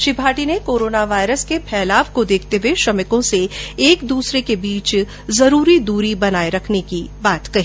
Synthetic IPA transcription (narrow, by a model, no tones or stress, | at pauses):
ʃɪbʱaːʈinekoːɾoːnaʋaːjɾəskepʰɛːlaːʋkod̪eːkʰt̪eʋeʃɐmɪkõseeːkd̪uːsɾekebiːt͡ʃ | zɐɾuːɾid̪uːɾibɐnaːeɾɐkʰnekibaːt̪kɐɦiː